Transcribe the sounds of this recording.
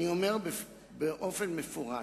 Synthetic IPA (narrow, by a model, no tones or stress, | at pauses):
iomeʁbe | beʔo̞fenmefuʁa